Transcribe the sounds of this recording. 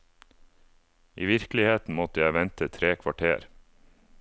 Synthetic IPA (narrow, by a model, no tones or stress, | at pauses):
ʔiːʋɪɾklɪheːt̪n̩mɔt̪əjæɪʋɛnt̪ət̪ʰɾeːkʰʋɑʈʰeːɾ